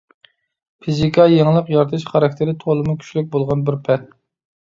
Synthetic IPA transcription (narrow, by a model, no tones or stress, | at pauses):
pʰizikʰɑjeŋlˠəqjɑɾt̪ʰɨʃχɑɾɑk̚ʲt̪ʰɪɾɪt̪ʰolˠɨmukʲʰy̥ʃlyk̚ʲbolˠʁɑnbɪɾpʰɛt̪̚